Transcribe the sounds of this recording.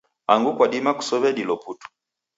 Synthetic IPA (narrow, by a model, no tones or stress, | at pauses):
aŋɡukwadimaku̥sɔβɛɗilɔputu̥